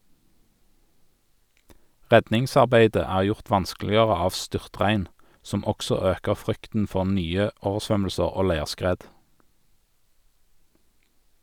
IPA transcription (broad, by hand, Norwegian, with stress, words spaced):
ˈʁɛdnɪŋsɑʁˌbæɪdə ˈæːʁ ˈjʊʁt ˈʋɑnsklɪəʁə ˈɑːʋ ˈstʏʁˌtʁæɪn ˈsɔm ˈɔksɔ ˈøːkəʁ ˈfʁʏktn̩ ˈfɔʁ ˈnyːə ˈoːʋəʁˌsʋœml̩səʁ ˈoː ˈlæɪʁˌskʁeːd